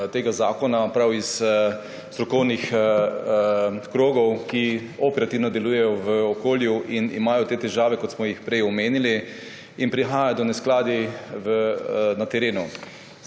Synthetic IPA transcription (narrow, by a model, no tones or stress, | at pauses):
t̪eːɡazaːkɔnapɾawis | st̪ɾɔkɔwnix | kɾoːɡɔwkiɔpɛɾat̪iwnɔd̪ɛluːjɛjɔʋəɔkoːljuʔinḭmaːjɔt̪eːt̪ɛʒaːʋɛkɔt̪smɔjixpɾɛjɔmeːnili | inpɾixaːjad̪ɔnɛsklaːd̪iʋənat̪ɛɾeːnu